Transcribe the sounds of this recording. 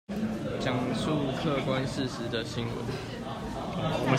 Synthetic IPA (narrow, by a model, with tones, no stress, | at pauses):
t͡ɕjɑ˨˩ŋsu˥˨kʰɤ˥˨kwa˦nʂ̩˥˨ʂɻ̩˨˦d̪ə˨ɕi˦ŋwə̰˨˧˦n | wɔ˨mə˦